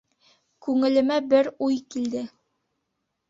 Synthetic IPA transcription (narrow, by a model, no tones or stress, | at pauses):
kʉŋɘ̆lɘ̆mæbɘɾujkild̪ɘ